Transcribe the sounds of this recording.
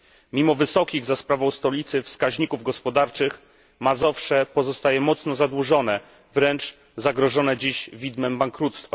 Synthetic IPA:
mʲimɔvɘsɔkʲiɣzaspɾavɔ̃w̃st̪ɔlʲit̪sɘfskaʑɲikuvɡɔspɔd̪aɾt͡ʂɘx | mazɔfʂɛpɔzɔst̪ajɛmɔt̪snɔzad̪wuʐɔnɛ | vɾɛnt͡ʂ | zaɡɾɔʐɔnɛd͡ʑiɕvʲid̪mɛmbaŋkɾut̪st̪fa

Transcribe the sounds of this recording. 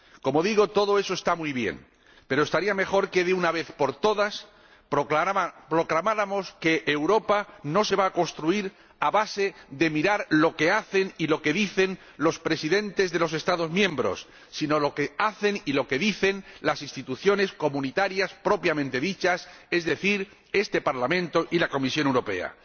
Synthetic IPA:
ko̞mo̞ðiɣo̞t̪o̞ðo̞e̞so̞e̞st̪amuiβje̞̰ŋ | pe̞ɾoest̪aɾiame̞xo̞ɾke̞ðeunaβe̞θpo̞ɾt̪o̞ðas | pɾopɾo̞klamaɾamo̞ske̞ʔːwɾo̞pano̞se̞βaːkõ̞nst̪ɾuiɾ | aβase̞ðe̞miɾaɾlo̞ke̞aθe̞nilo̞ke̞ðiθe̞n | lo̞spɾe̞siðe̞nt̪e̞zðe̞lo̞s̬e̞st̪aðo̞zmjẽ̞mbɾo̞̰sː | ino̞lo̞keaθe̞nilo̞ke̞ðiθe̞nlasinst̪it̪uθjo̞ne̞sko̞mũnit̪aɾjaspɾo̞pjamẽ̞nt̪e̞ðit͡ʃase̞zðe̞θiɾ | e̞st̪e̞paɾlamẽ̞nt̪o̞ʔilako̞misjonewɾo̞pe̞̰a̰

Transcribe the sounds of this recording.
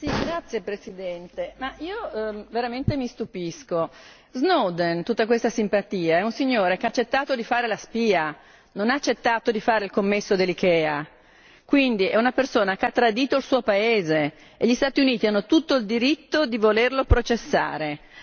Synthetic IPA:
siɡɾat̪sːjepɾesid̪ɛnt̪emaiːoveɾament̪emist̪upisko | znod̪ent̪ut̪ːakwest̪asimpat̪iːaɛunsiɲːoːɾekeaːt͡ʃːet̪ːaːt̪od̪ifaːɾelaspiːa | nonaːt͡ʃːet̪ːaːt̪od̪ifaːɾeilkomːesːod̪elːikɛːa | kwind̪iɛunapersoːnakeat̪ːɾad̪iːt̪oilsuːopaeːze | eʎːist̪aːt̪iuniːt̪ianːot̪ut̪ːoild̪iɾit̪ːod̪ivolerlopɾot͡ʃesːa̰ːɾe

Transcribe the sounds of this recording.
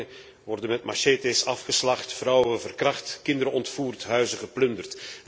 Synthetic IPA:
ʋɔrdənmɛtmaʃetesɑfχəslɑχtfrɔwəvərkrɑχtkɪndəɾəɔntfuːrtɦœɥzəχəplɵndərt

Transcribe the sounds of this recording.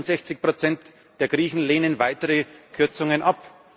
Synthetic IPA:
ntz̥ɛçt͡sɪçpʁ̥ot͡sɛnt | d̥eːɐɡʁiːçn̩leːnənvaɪtəʁəkʰʏɐt͡sʊŋənʔap

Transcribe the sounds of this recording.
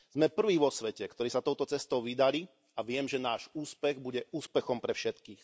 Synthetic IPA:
z̥mɛpr̩ʋiːʋɔsʋɛcɛkt̪ɔɾiːsat̪ɔʊt̪ɔt͡sɛst̪ɔʊʋid̪ali | aʋɪɛmʒɛnaːʒuːspɛɣbuɟɛʔuːspɛxɔmpɾɛfʃɛt̪kiːx

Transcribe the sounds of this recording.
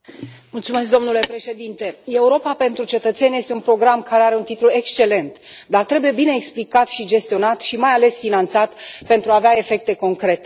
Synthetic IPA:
mult̪sumes̬kd̪o̞mnule̞pɾe̞ʃe̞d̪int̪e̞e̞uɾo̞pape̞nt̪ɾut͡ʃe̞t̪ət̪se̞nʲje̞st̪eunpɾo̞ɡɾamkaɾeaɾe̞unt̪it̪lue̞kst͡ʃe̞le̞nt̪d̪art̪ɾe̞buje̞bine̞ːksplikat̪ʃid͡ʒe̞st̪io̞nat̪ʃimajale̞sfinant̪sat̪pe̞nt̪ɾuaːveae̞fe̞k̚t̪e̞ko̞ŋkɾe̞t̪e

